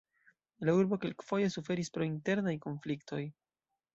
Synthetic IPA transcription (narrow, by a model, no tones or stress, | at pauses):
lauɾbo̞ke̞lkfo̞je̞sufe̞ɾispɾo̞inte̞ɾnajko̞nflikto̞j